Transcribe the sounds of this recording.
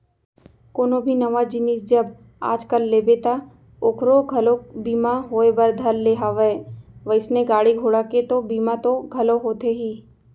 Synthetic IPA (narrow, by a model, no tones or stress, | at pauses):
koːnobʱinɐʋad͡ʒɪnisd͡ʒɐb | a̰ːd͡ʒkəlːeːbet̪a | okɾoɡʱɐlobiːmaɦoːebɐɾd̪ʱɐɾːeːɦaʋeʋəɪsneɡaːɽiɡʱoːɽaket̪obiːmat̪oɡʱɐloɦoːt̪eɦiː